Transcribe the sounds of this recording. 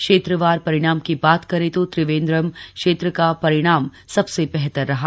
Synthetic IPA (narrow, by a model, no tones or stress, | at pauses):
kʃeːt̪ɾəʋaːɾpɐɾɪɽ̃aːmkibaːt̪kɐɾet̪ot̪ɾɪʋẽːnd̪ɾəmkʃeːt̪ɾəkapɐɾɪɽ̃aːmsɐbsebɛɦt̪əɾːɐɦa